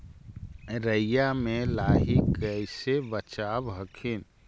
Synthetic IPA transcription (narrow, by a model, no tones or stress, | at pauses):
ɾəjamelaːɦikəɪsebət͡ʃabɦəkʰin